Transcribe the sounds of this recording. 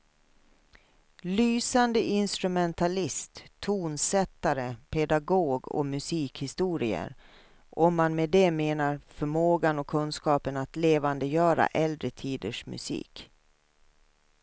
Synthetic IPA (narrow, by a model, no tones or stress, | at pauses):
lyːsand̪əʔɪnst̪ɾɵmɛnt̪ʰalɪst̪ʰːuːnsɛt̪ːaɾəpʰɛd̪aɡoːɡɔ̰mɵsiːkhɪst̪uːɾɪə̰ɾ | ʔɔmːanmɛd̪ɛmeːnaɾfœɾmoːɡanɔkʰɵnskɑːpənat̪leːvand̪əjœːɾa̰ʔɛld̪ɾət̪ʰiːd̪əʂmɵ̰sḭːk